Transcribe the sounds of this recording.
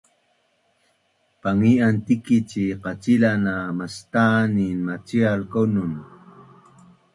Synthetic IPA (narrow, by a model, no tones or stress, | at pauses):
paŋiant̪ikit͡ɕiqat͡silanamast̪aninmat͡sialkonun